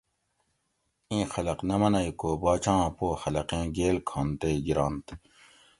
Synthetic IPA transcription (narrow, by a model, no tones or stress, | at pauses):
ĩːxɐlɐqnɐmɐnɐikoːbaːt͡ɕãːpoːxɐlɐqẽːɡeːlkʰõːnt̪eːɡiɾaːnt̪